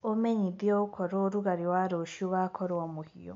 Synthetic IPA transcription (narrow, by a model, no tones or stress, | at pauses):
omeɲiðiokʰoɾoɾuɣaɾiwaɾoʃioβakʰoɾomuhio̰